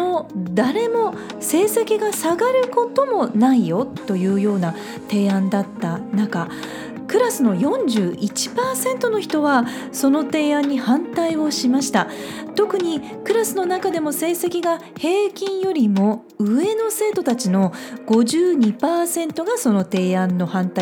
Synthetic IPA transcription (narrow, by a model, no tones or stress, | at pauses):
nod̪aɾe̞mo̞ | se̞ːse̞kʲiɡasaɡaɾɯ̟ko̞t̪o̞mo̞naijo̞t̪ːo̞jɯ̟ːjo̞ːna | t̪e̞ːãnd̪at̪ːanaka | kɯ̟ɾasɨno̞jõ̞ɲ̟d͡ʑɨːʔit͡ɕi̥paːsẽ̞nt̪o̞no̞çi̥t̪o̞βa | so̞no̞t̪e̞ːãɲ̟ːihãnt̪aio̞ɕimaɕi̥t̪a | t̪o̞kɯ̟ɲ̟i | kɯ̟ɾasɨno̞nakad̪e̞mo̞se̞ːse̞kʲiɡahe̞ːkʲĩɰ̃jo̞ɾʲimo̞ | ɯ̟e̞no̞se̞ːt̪o̞t̪at͡ɕino̞ɡ̥o̞ʑɨːɲ̟ipaːsẽ̞nt̪o̞ɡaso̞no̞t̪e̞ːãnːo̞hãnt̪ai